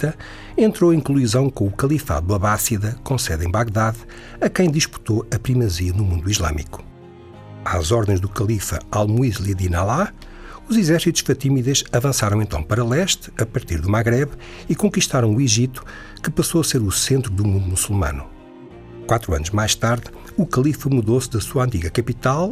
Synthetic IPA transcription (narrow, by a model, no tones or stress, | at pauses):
ɐ | ẽnt̪ɾoẽj̃kulˠuizɐ̃w̃kõukɐlˠifa̰ðuɐβasiðɐkõsɛðẽbaɣðað | ɐkɐ̃j̃d̪iʃpu̥t̪oɐpɾimɐziɐnumũnd̪uiʒlˠa̰mḭku̥ | azɔɾðẽʒðukɐlˠifɐ̰alˠmuizlˠiðinalˠa | uzizɛɾsit̪u̥ʃfɐt̪imiðɐʃɐvɐ̃saɾɐ̃w̃ẽnt̪ɐ̰̃w̃pɐɾɐlˠɛʃt̪ɐpɐɾt̪iɾðumaɣɾɛβ | ikõkiʃt̪aɾɐ̃w̃uiʒit̪u̥ | kɨpɐsoɐseɾusẽnt̪ɾuðumũnd̪umusulˠmɐ̰nu | kwat̪ɾuɐ̰nuʒmajʃt̪aɾð | ukɐlˠifɐmuðosðɐsuɐɐ̃nt̪̬iɣɐkɐpit̪alˠ